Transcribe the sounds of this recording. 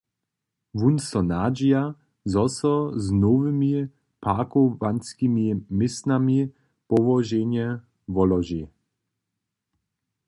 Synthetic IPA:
vunsɔnaːd͡ʒija | zɔsɔznɔvɪmi | pʰaːkɔvanskimimɪsnami | pɔvɔʒeɲɛ | vɔlɔʒi

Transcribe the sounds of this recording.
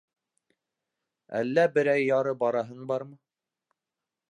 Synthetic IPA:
æ̰lːæbɘ̆ɾæjːɑɾɤbɑɾɑɦɤnbɑɾmɤ

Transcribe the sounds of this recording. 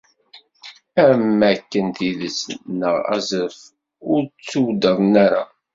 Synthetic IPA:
æmːækːənt̪iðəsnəʁæ̰zəɾf | ʊɾt͡sːuwd̪əðˤnæɾa

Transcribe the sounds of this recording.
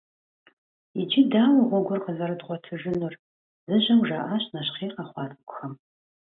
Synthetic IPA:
id͡ʒɪdaːwɐʁʷɔɡʷʊrqəzɐɾɨdʁʷɔtʰɨʒɪnur | zɨʒɐmʒaːʔaɕnɐɕχiːqɑχʷɑːtʼɐkʷʼʊxɐm

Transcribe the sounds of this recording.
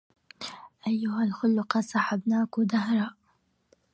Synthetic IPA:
ʔajːʊɦalxʊlːʊqɑsˤɑħabnaːkʊd̪aɦɾˤɑːʔ

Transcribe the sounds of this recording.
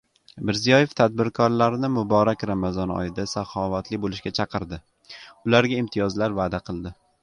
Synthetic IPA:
mɪɾzijɒje̞ft̪ʰad̪̚bɪɾkʰɒɾlaɾnɪmʊbɒɾakʲɾamazɒnɒ̰jɪd̪asaχɒvat̪lɪbolɪʃɡʲat͡ʃʰɑqʰɨɾd̪ɪ | ʊlaɾɡʲaɪmt̪ʰijɒzlaɾvaːd̪aqʰɨlˠd̪ɪ

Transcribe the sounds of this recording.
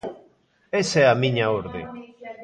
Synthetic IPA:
esɛamĩɲaoɾðe

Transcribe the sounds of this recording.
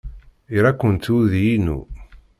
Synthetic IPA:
iɾakːənt̪uðjinṵ

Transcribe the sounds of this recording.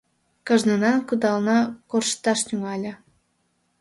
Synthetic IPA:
kɤ̆ʒnɤnɑkɯd̪ɑlˠnɑkorʃt̪ɑʃnʲyŋɑlʲɤ̆

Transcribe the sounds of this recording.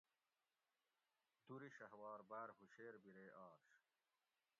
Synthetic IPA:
d̪uɾiɕɐɦwaːɾbaːɾɦuɕeːɾbiɾeːʔɑːɾɕ

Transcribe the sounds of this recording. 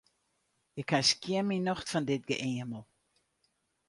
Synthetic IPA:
jəkʰaskjɪminɔxtfɔndɪt̚ɡə̰ʔɪəməlˠ

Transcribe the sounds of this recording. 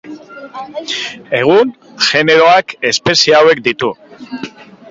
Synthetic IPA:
e̞ɣ̞un | ʝe̞ne̞ɾo̞ake̞spe̞siawe̞kd̪it̪u

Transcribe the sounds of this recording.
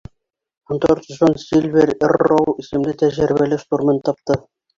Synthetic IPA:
ŏnt̪oɾt̪ŏʃonsʲilʲveɾɘrrːowisɘ̆mlɘt̪æʒɘ̆ɾβælɘʃt̪uɾmɤnt̪ːɑp̚t̪ɤ

